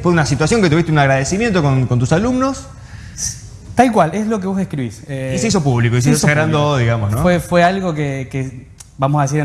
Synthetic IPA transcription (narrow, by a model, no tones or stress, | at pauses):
epweðunasit̪wasjo̞ŋket̪uβiht̪eunaɣɾaðesimje̞nt̪o̞konkont̪usalumnos | t̪alkwalezlo̞k̬eβosehkɾiβiseiseisopuβlikois̬eisosaɣɾand̪oðiɣamosnõefwealɣokeke | bamosaðesiɾ